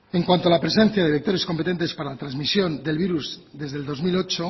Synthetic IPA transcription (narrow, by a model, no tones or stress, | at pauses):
e̞ŋkwant̪oalapɾe̞s̬ẽ̞n̟θjaðeβik̚t̪o̞ɾe̞skompet̪e̞nt̪e̞spaɾalat̪ɾanzmisjo̞nd̪e̞lβiɾuzd̪e̞zðe̞ld̪o̞zmilo̞t͡ʃo